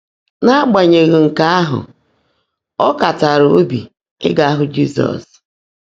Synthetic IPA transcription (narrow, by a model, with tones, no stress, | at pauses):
na˦ɡ͡ba˨ɲe˨ɣe˨ŋ̩˨ka˦a˦ɦʊ̰˨ | ɔ˦ka˨ta˨ɾo˦bḭ˨ | ɪ̰˦ɡa˦a˦ɦʊ˨d͡ʒi˦sɔ̰˨s